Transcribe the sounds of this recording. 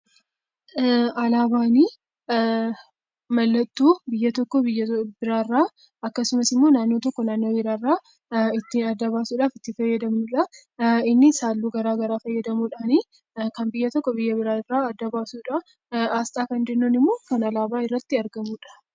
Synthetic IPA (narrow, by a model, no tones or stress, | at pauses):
ɐlaːbaːniː | mɐlːɐt̪ːuːbɪjːɐt̪ɔkːɔbɪjːɐbɪɾaːrːaː | ɐkːɐsʊmɐsɪmːo̞ːnaːnːoːt̪ɔkːɔnaːnːo̞ːbɪɾaːrːaː | ɪt̪ːiːnɐd̪ːɐβaːsuːᶑaːfɪt̪ːɪfɐjːɐd̪ɐmnʊᶑɐ | ɪnːɪsaːlːuːɡɐɾaːɡɐɾaːfɐjːɐd̪ɐmuːᶑaːni | kɐnbɪjːɐt̪ɔkːɔbɪjːɐbɪɾaːrːaːɐd̪ːɐbaːsuːᶑɐ | aːst̪ʼaːkɐnd͡ʒ̪enːonɪmːoːkɐnɐlaːbaːɪrːɐt̪ːɪɐɾɡɐmuːᶑɐ̥